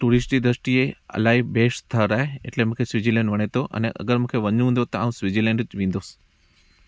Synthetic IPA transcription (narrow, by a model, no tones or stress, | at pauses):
ʈuːɾɪsʈid̪ɾəsʈieɐ̰laːɦibeːʃt̪ʰaɾaːɦeḛʈlemũkʰeswid͡ʑilɛ̃ɳɖʋɐɽ̃et̪oʔɐ̰neʔɐ̰ɡəɾmũːkʰeʋɐɲũːnd̪ot̪ɐa̰ːũsʋid͡ʑilɛ̃ɳɖt͡ʃʋĩːn̆d̪oːs